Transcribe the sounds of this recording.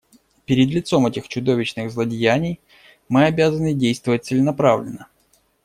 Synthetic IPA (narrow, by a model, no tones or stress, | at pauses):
pʲɪɾʲɪd̪lʲɪt̪so̞mɛtʲɪxt͡ɕʊd̪o̞vʲɪt͡ɕnɨɣzlˠədʲɪjænʲɪj | mɨɐbʲazənɨdʲejst̪vəvət̚ʲt̪sɨlʲɪnɐpɾavlʲɪ̰nːə